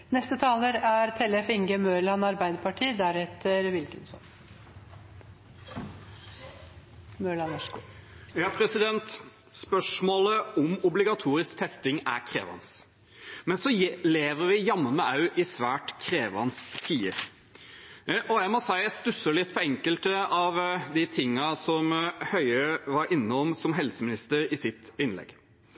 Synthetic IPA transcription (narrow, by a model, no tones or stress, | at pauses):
nɛst̪ət̪ʰɑːləɾæɾt̪ʰɛlɛfɪŋɡəmøːɭɑnɑɾbæɪd̪əpʰɑʈʰiːd̪æɾɛt̪əɾʋɪlkənsɔ̰m | møːɭɑnɔ | jɑːpʰɾɛsɪd̪ɛnt̪ | spœʂmoːləɔmʊblɪɡɑt̪ʰuːɾɪskt̪ʰɛst̪ɪŋæɾkʰɾḛːʋɑ̰ns | mɛnsɔleːʋəɾʋɪjɑmːəmɛʔɑʉʔɪsʋæːʈkʰɾeːʋɑ̰nst̪ʰiːə | ʔɔjæɪmɔsæɪæst̪ʉsːəɭɪt̪ːpʰɔɛŋkəlt̪əɑʋd̪ɪt̪ʰɪŋːɑsɔmhœʏəʋɑɾɪnːəɔmsɔmɦɛlsəmɪnɪst̪əɾɪsɪt̪ɪnlɛ̰ɡ